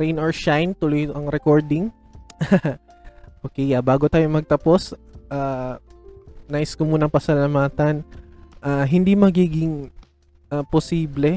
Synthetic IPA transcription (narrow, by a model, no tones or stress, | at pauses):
ɾɛjnɔɹʃajnt̪ʊloj̪ʔɐŋɾɛkoɹd̪ɪŋ | ʔoːkɛjabaːɡot̪aːjomɐɡ̚t̪ɐpo̞sʔaː | najskʊmuːnɐŋpɐsɐlɐmaːt̪ɐnʔaːɦɪnd̪imɐɡiːɡɪŋ | ʔaposiːblɛ